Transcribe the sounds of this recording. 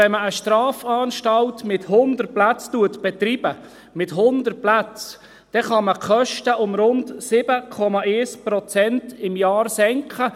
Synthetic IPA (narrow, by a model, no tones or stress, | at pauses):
ɛnməəʃtrɑːfɑːnʃtɑltmɪthʊnd̪ər̚plæt͡stuətb̥ɛt̪rib̥ə | mɪtɦʊnd̪ər̚plæt͡s | d̪̥ɛχɑməkχœʃtəʊmɾʊndsɪb̥əkʰɔmɑʔɛːspɾɔt͡sɛntɪmjɑːɾsɛŋkχə